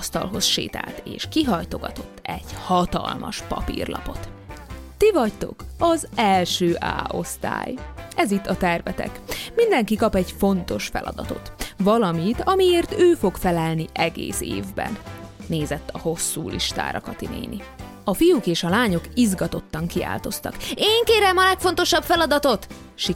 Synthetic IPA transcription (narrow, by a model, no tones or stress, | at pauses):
st̪ɒlɦo̞sʃḛːt̪a̰ːlt̪eːʃkiɦɒjt̪o̞ɡɒt̪o̞t̪ːɛɟ̥hɒt̪ɒ̰lmʔɒ̰ʃpɒpḭrlʔɒ̰po̞t̪ː | ivɒct̪o̞̰kɒzɛlʃøːʔa̰ːʔo̞̰st̪a̰ːjɛzit̪ːɒt̪ɛrvɛt̪ɛ̰kmind̪ɛŋkikɒpɛɟfo̞nt̪o̞ʃfɛlʔɒ̰d̪ɒt̪o̞t̪ʋɒlɒmit̪ɒmieːrt̪øːfo̞kfɛlɛlniʔɛɡḛːsḛːvbɛ̰nːeːzɛt̪ːɒho̞sːuːlʔḭʃt̪a̰ːɾɒkɒt̪inḛːnḭ | ɒfijukeːʃɒlaːɲo̞kizɡɒt̪o̞t̪ːɒŋkia̰ːlt̪o̞st̪ɒ̰keːŋkeːɾɛmɒlɛkfo̞nt̪o̞ʃɒbfɛlɒd̪ɒt̪o̞t̪ | ʃi